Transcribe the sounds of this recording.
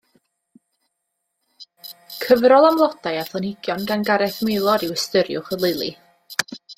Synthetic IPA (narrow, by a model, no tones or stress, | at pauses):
kʰəvɾɔlˠamlˠɔd̥ajaθˠɔnɪɡjɔnɡanɡaɾɛθmelˠɔɾɪwəstəɾjʊ̰χəlˠeɨlˠḭ